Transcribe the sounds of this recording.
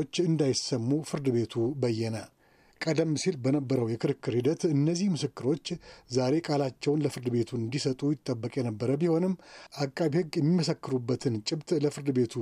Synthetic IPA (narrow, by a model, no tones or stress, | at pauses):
t͡ʃːɨnd̪ajɪsəmːufɨɾd̪ɨbe̞t̪ʰubəjːɛnə | kʼəd̪əmːsilbənəbːəɾəwjɛkʰɨɾɨkːɨɾhid̪ət̪ɨnːəzihmɨsɨkːɨɾo̞t͡ʃːzaɾe̞kʼalat͡ʃːɛwnləfɨɾd̪ɨβe̞t̪ʰuɨnd̪isət̪ʼujɪt̪ʼːəbːəkʼjɛnəbːəɾəbiho̞nɨmːʔakʼːaβihɨɡːjɛmːiməsəkːɨɾubːət̪ʰɨnt͡ʃʼɪbt̪ʼləfɨɾd̪ɨbe̞t̪ʰu